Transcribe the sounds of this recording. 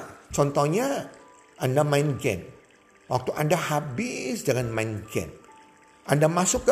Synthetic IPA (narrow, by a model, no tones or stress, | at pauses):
t͡ʃɔnt̪ɔhɲa | ʔandamaɪnɡɛ̰n | wak̚t̪uʔandahabɪsdəŋanmaɪnɡɛ̰m | ʔandamasʊkː